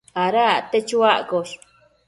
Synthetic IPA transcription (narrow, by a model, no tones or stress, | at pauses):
aɾat̪et͡ʃuaʔkoʃ